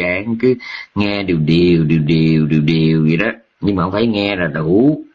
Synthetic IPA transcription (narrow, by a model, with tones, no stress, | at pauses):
aː˧˨˩ŋkɨ˨˦ŋɛ˧ɗi˨˩əwɗi˨˩əwɗi˨˩əwɗi˨˩əwɗi˨˩əwɗi˨˩əwzi˨˩ɗɔː˨˦ | ɲɨ˧ŋmaː˨˩hŋ͡mfʰaː˧˨˩jŋɛ˧zaː˨˩la˨˩u˨˦